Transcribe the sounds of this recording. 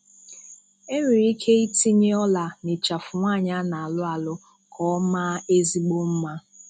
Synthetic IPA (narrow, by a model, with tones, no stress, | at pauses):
e˦ɾi˨ɾi˦kʰe˦i˦ti˦ɲe˦ɔ˦la˨ne˨t͡ʃa˨fʊ˨ŋʷa˦˨ɲa˦na˨a˨lʊ˦a˨lʊ˦ | kʰɔ˦ma˦e˦zi˦ɡ͡bo˦m̩˦ma˦